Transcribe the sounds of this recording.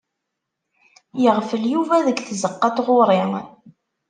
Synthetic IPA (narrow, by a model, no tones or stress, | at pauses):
jəʁfəljuvæðəkθzəqːɑt̪ʁʊɾˤɪŋ